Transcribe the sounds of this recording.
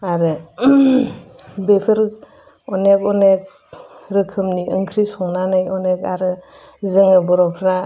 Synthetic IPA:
aɾɯ | bekʰɯɾ | ɔnekɔnek̚ | ɾɯkʰɯmniʔɯŋkʰɾisɔŋnanɯjɔnekaɾɯ | zeŋɯbɔɾɔpʰɾa

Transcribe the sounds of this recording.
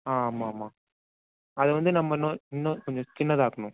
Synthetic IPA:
aːmaːmaː | ɐðɯʋɐnd̪ɯnɐmːɐnːõɪnːõkɔɲd͡ʒɔ̃t͡ʃɪnːɐðaːkɐɳʊ̃

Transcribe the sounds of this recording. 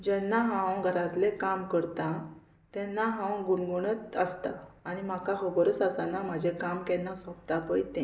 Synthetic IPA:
d͡ʑɛnːaɦãwɡʱəɾãt̪lẽkamkəɾt̪ã | t̪ɛ̃nːaɦãwɡuɳɡuɳət̪əst̪aːɽ̃im̤akaɦəbɔɾət͡sasanam̤ad͡ʑʱẽkamkɛnːasɔp̚t̪apəjt̪ẽ

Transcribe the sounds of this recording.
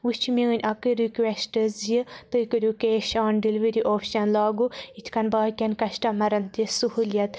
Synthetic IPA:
ut͡ʃʰmiɨnʲʔɐkɨɾikwesʈɨzjɨt̪ɨkɨɾʲukeːʃaːnɖiliʋəɾiʔoːpʰʃɐnlaːɡuit͡ʃʰkɐnbaːkʲɐnkɐʃʈɐmɐɾɐnt̪isuhuːljɐt̪

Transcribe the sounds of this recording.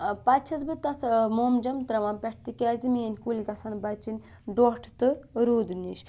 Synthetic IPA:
pɐt͡ʃʰɐzbɨt̪ɐt̪ʰmoːmd͡ʒɐmt̪ɾɐʋaːnpʲɛʈʰt̪ikʲaːziminʲkulʲkɐsɐnbɐt͡ʃinʲ | ɖoʈʰt̪ɨɾuːd̪niʃ

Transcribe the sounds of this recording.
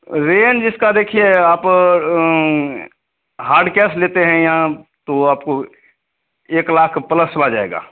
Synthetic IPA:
ɾeːnd͡ʒɪskad̪eːkʰieaːp | ɦaːɾɖkɛːsleːt̪eɦɛ̃jãt̪oaːpko | eːklaːkʰpələsəlad͡ʒaːḛːɡa̰ː

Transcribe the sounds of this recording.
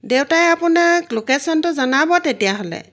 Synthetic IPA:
dewtajapunaklokesɔntʊzanabɔtetijaɦɔlɛ̰

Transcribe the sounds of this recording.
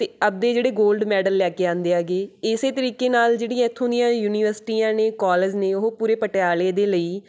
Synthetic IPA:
t̪eːəb̚d̪eːd͡ʒeːɽeːɡoːlɖmɛːɖəlːɛːkeːãːnd̪eːaːɡeːɪseːt̪əɾiːkeːnaːld͡ʒeːɽĩjãːɪt̪ʰːõnd̪ijãːjuːniːʋəɾsɪ̥ʈiːãːneːkɔːləd͡ʒnẽːʊɦopuːɾeːpəʈejaːleːd̪eːləiː

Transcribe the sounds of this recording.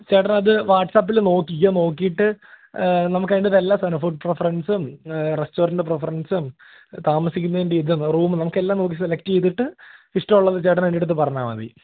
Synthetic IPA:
t͡ɕeːʈɐnɐðɨʋaːʈsaːp̬ːilno̞ːkːikːɐno̞ːkːijiʈːɨ | nɐmukːɐjiɳɖɐðelːaːsɐnɐfuɖ̚prefɐrɐnsɨmresʈo̞ːɾɐɳɖɨp̬refɐrɐnsɨm | t̪aːmɐsikʲːunːɐðindeid̪umruːmɨnɐmukːe̞lːaːmno̞ːk̬ːiselɐk̚tːt͡ɕe̞jt̪̬ːiʈːɨiʂʈɐmuɭːɐðɨt͡ɕeʈɐnʋeɳɖiʈːɨʈːɨpɐrɐɲːaːmɐ̰ðḭ

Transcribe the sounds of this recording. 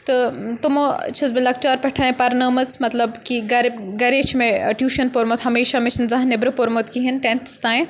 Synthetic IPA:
t̪ɨt̪umot͡ʃʰɐzbilɐk̚t͡ʃaːɾpɐʈʰaːẽpɐɾnɐːmɐzmɐt̪lɐbkiɡɐɾɡɐɾeːt͡ʃʰmẽʈjuːʃɐnpoːɾmot̪ɦɐmeːʃɐmet͡ʃʰnzɐɦɐnːebɾɐpoɾmot̪kiɦinʈent̪ʰst̪aːj̃

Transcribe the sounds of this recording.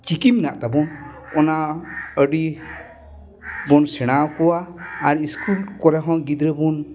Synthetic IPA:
t͡ʃikimnaʔt̪abɔnɔnaəɖi | bɔnsɛɽ̃awkɔwaːɾiskulkɔɾɛɦɔ̃ɡid̪ɾəbɔn

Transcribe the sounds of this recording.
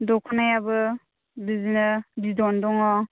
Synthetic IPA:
dɔkʰɔnajabɯ | bizinɯbidɔndɔŋɔ

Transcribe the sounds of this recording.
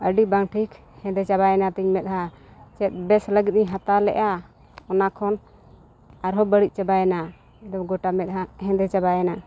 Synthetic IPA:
əɖibaŋʈʰik | hɛ̃d̪ɛt͡ʃabajɛnat̪iɲmɛt̪̚ɦa | t͡ʃɛt̪̚ˀbɛsləɡit̪̚ɲiɦat̪alɛ̰ʔa | ɔnakʰɔn | aɾɦɔbəɽit̚ˀt͡ʃabajɛna | ɛd̪ɔmɡɔʈamɛt̪̚ɦaɦɛ̃d̪ɛt͡ʃabajɛna

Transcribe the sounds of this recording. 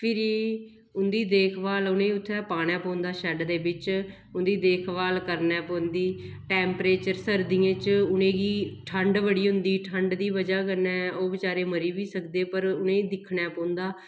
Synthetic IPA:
pʰɪɾiː | ʊnd̪iːd̪eːkʰʋaːlʊnẽːʊt̪ʰːɛːpaːɽ̃ɛ̃ːpõːnd̪aːʃɛɖd̪eːbɪt͡ʃ | ʊnd̪iːd̪eːkʰʋaːlkəɾnɛːpõːnd̪iː | ʈɛːmpɾeːt͡ʃəɾsəɾd̪iːãːt͡ʃʊnẽːɡiːʈʰəɳɖʋəɽiːɦʊ̃nd̪iːʈʰəɳɖd̪iːʋəd͡ʒaːk̬əɾnɛːoːbɪt͡ʃaːɾeːməɾiːʋiːsəkd̪eːpəɾʊnẽːĩːd̪ɪkʰnɛːpõːnd̪aː

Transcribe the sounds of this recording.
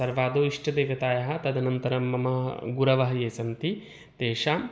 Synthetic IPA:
sɐɾʋaːd̪oːiʂʈɐd̪eːʋɐt̪aːjɐɦɐ̆t̪ɐd̪ɐnɐnt̪ɐɾɐmːɐmɐɦɐ̰ɡuɾɐʋɐɦɐjeːsɐnt̪i | t̪eːʂaː

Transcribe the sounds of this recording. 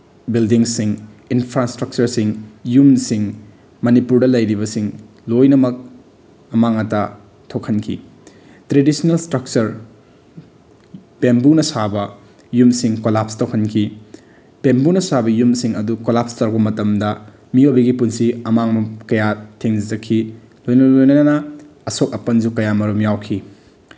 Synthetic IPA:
bildiŋsiŋinpʰɾastɾɐk̚t͡ʃɐɾsiŋjumsiŋ | mɐnipuɾdɐlɐjɾibɐsiŋ | lojnɐmɐk̚ | ɐmaŋɐta | tʰokʰɐnkʰḭ | tɾedisnelstɾɐk̚t͡ʃɐɾ | bembunɐsabɐ | jumsiŋkolap̚stʰowkʰɐnkʰi | bembunɐsabɐjumsiŋɐdukolapstɐɾbɐmɐtɐmdɐ | miobɐɡipunsiɐmaŋmɐkɐjatʰeŋd͡ʒɐzɐkʰːi | lojnɐlojnɐnɐnɐ | ɐsok̚ɐpɐnd͡ʒukɐjamɐɾumjawkʰi

